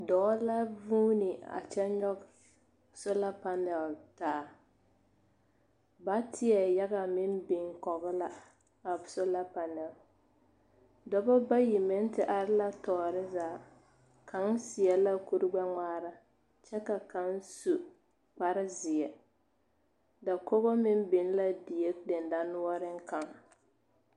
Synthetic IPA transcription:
dɔː˨˦la˦vuː˦nɪ˨a̰˨t͡ʃɛ˦ɲɔ˦ɡ | sʊ˦la˦pa˨nɛ˨ltaː˨˦˨ | ba˦tʰɪ˦ɛ˨ja˦ɣa˨mɪ˦mbɪ˨ŋkɔ˨ɣɪ˦la˦ | a˨bʊ˨sʊ˦la˦pa˨nɛ˨l | dɔ˨bɔ˦ba˦ji˨mɪ˦n˦tɪ˨ʔa˦ɾɪ˦la˦tɔː˨ɾɪ˦zaː˨˦˨ | kʰa˨˦ŋsɪ˨ɛ˨la˦ku˦ɾɪ˦ɡ͡ba˦ŋ͡maː˦ɾa˦ | t͡ʃɛ˦ka˨ka˨˦n˦su˨ | k͡pa˦ɾɪ˦zɪ˨ɛ˨ | da˨kɔ˦ɣɔ˦mɪ˦mbɪ˨n˦la˦di˨je˦k̚dɪ˨n˨da˦nʊ˦ɔ˦ɾɪ˦ŋ˦ka˨ŋ

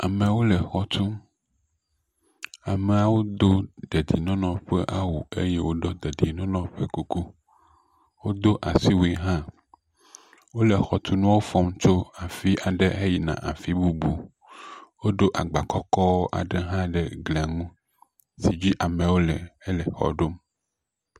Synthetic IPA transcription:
a˨me˨wo˦lɛ˨xɔ˨t̪ʰu˦ | a˨me˨a˨wo˦d̪o˦d̪e˨d̪i˨nɔ̃˦nɔ̃˨ɸe˦ʔa˦wu˨e˦je˦wo˦ɖɔ˦d̪e˨d̪i˨nɔ̃˦nɔ̃˦ɸe˦ku˦ku˦ | wo˦d̪o˦ʔa˨si˦wi˦ɦã˦ | wo˦lɛ˨xɔ˨t̪ʰu˦nũ˦wo˦fɔ˦mt͡ʃo˦a˨fi˦ʔa˨ɖɛ˦e˦ji˨nã̰˨ʔa˨fi˦bu˦bu˨ | wo˦ɖo˦ʔa˨ɡ͡ba˨kɔ˦kɔ˦wo˦ʔa̰˨ɖe˦ɦã˦ɖɛ˨ɡle˨a˨ŋũ˦ | si˨d͡ʑi˦ʔa˨mẽ˨wo˦lɛ˨ɛ˦lɛ˨xɔ̰˨ɖo˦m

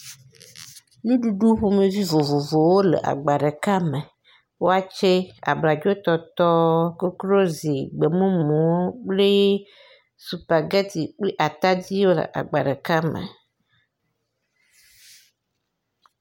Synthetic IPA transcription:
nũ˦ɖu˨ɖu˦ɸo˦mẽ˨vi˦vo˨vo˨vo˨wo˦lḛ˨ʔa̰˨ɡ͡ba˨ɖe˨ka˦me˨ | wo˦a˨t͡ʃe˦a̰˨bla˨d͡ʒo˦t̪ɔ˦t̪ɔ˦ke˦klo˦zi˨ɡ͡be˨mũ˦mũ˨wo˦k͡ple˦ | su˨pa˨ɡe˦t̪i˨k͡ple˦ʔa˨t̪a˦d̪i˦wo˦lə̰˨ʔa̰˨ɡ͡ba˨ɖe˨ka˦mḛ˨

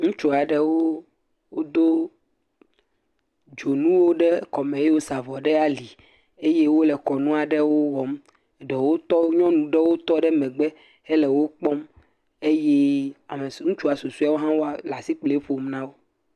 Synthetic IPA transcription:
ŋũ˦t͡ʃu˦a˨ɖɛ˦wo˦ | wo˦d̪o˦ | d͡ʒo˨nũ˦wo˦ɖɛ˦kɔ˨mɛ̃˨je˦wo˦sa˨vɔ˨ɖɛ˦a˦li˨ | e˦je˦wo˦lɛ˨kɔ˨nũ˦a˨ɖɛ˦wo˦wɔ˨m˨ | ɖɔ˨wo˦t̪ɔ˦ɲɔ̃˦nũ˨ɖɛ˦wo˦t̪ɔ˦ɖɛ˦mɛ̃˨ɡ͡bɛ˦ | e˦lɛ˨wo˦k͡pɔ˦m | e˦je˦a˨me˨˦ŋũ˦t͡ʃu˦a˨su˨su˦a˦wo˦ɦã˦wo˦a˨la˨si˦k͡ple˦ɸo˨mnã˦wo˦

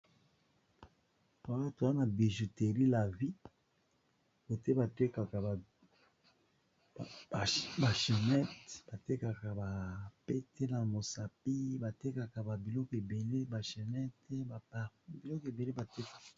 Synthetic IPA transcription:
ta˨˦a˦to˨a˦na˨bi˨ʒu˨te˨ʁi˦la˨vi˦ | bo˨te˦ba˨te˦ka˨ka˨ | ba˨ʃe˨nɛ˦tb̥a˨te˦ka˨ka˨ba˨pe˦tʰe˦na˨mo˨sa˨p̚i˦ba˨te˦ka˨ka˨ba˨bi˨lɔ˦ke˨be˨le˦ba˨ʃe˨nɛ˦tɛ˦ba˨a˨bi˨lɔ˦ke˨be˨le˦ba˨te˦kḁ˨

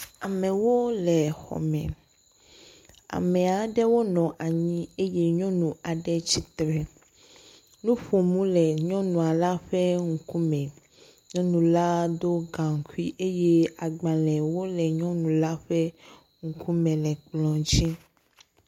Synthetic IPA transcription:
a˨mɛ̃˨wo˦lɛ˨xɔ̰˨mɛ̰̃˨ | a̰˨mɛ̃˨a˨ɖɛ˦wo˦nɔ̃˨ʔa˨ɲĩ˦e˦je˦ɲɔ̃˦nũ˨a˨ɖɛ˦t͡ɕi˦t̪ɾɛ˨ | nũ˦ɸo˨mũ˦lɛ˨ɲɔ̃˦nũ˨a˨la˦ɸɛ˦ŋ̩˨ku˦mɛ̃˨ | ɲɔ̃˦nũ˨la˦d̪o˦ɡã˨ŋ˨ku˦i˦ʔe˦je˦a˨ɡ͡bã˨lɛ˨wo˦lɛ˨ɲɔ̃˦nũ˨la˦ɸɛ˦ | ŋu˨ku˦mɛ̃˨lɛ˨k͡plɔ̃˨d͡ʑi˦

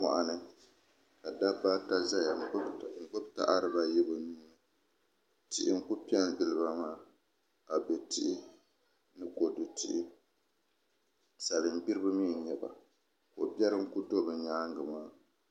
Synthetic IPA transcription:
ma̰˨ʔa˨nɨ˦ | ka˨da˦ba˦ta˦za˦ja˨˦ŋ̩˨ɡ͡bo˦bta̰˦ʔa˦ɾɨ˨ba˦jɛ˦bɨ˨nuː˦nɨ˦ | ti˨ʔɪ˨ŋ̩˦ku˦pi˦ɛ˦ndɨ˨lɨ˦ba˦maː˦˨ | ka˨bɛ˨ti˦ʔɪ˦ | nɨ˦ko˨du˨ti˦ʔɪ˦ | sa˨lɨ˨m˦bi˦ɾɨ˦bɨ˦miː˦˨ɲɛ˨ba̰˨ | ko˨bɛ˦ɾɨ˦ŋ̩˦ku˦do˦bɨ˨ɲaː˦ŋɡɨ˨maː˦

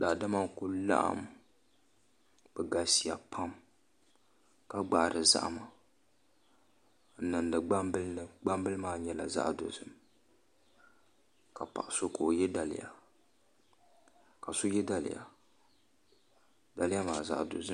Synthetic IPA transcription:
daː˨da˦ma˦ŋkʊ˦la̰˦ʔa̰˦˨m | b̥ɛ˨ɡa˨si˨ja˨pʰa˦m | ka˦ɡ͡ba˨ʔɾʔɨ˨za̰˦ʔma˨ | n̩˦nɨ˨ndɨ˨ɡ͡ba˦mbɨ˦lɡ͡ba˦mbɨ˦lɨ˦maː˦ɲɛ˦la̰˨za̰˦ʔdo̰˨zɨ˦m | ka˨pa̰˨ʔa˨so˦kʰo˨jɛ˦da˨lɪ̰˦˨ja˨ | ka˨so˦jɛ˦da˨lɪ̰˨ja̰˨ | da˨lɪ˦a˦maː˨za̰˦ʔdo̰˨zɨ˦

